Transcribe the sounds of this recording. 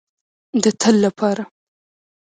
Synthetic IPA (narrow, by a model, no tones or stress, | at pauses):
d̪ət̪ʰəlːapʰɑɾa